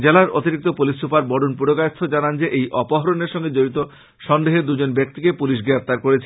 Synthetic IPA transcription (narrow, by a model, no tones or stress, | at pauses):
d͡ʑelaɾot̪iɾik̚t̪opulisːupaɾbɔɖunpuɾokajst̪ʰod͡ʑanand͡ʑeʔejʔɔpoɦɔɾoneɾʃɔŋɡed͡ʑoɾit̪o | ʃɔnd̪eɦed̪ud͡ʑonbek̚t̪ikepuliʃ̬ɡɾep̚ʰt̪aɾkoɾet͡ɕʰe